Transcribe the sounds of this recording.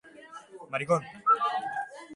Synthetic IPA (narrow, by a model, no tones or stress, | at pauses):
maɾikon